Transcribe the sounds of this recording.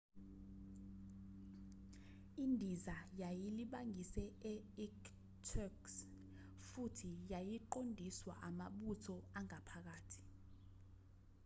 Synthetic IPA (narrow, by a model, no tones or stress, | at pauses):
indʱizajajiliɓaŋʱisɛɛik | tʰɔks | futʰijajiǃondʱiswa̰ʔamaɓutʰɔaŋapʰak̬aːtʰi̥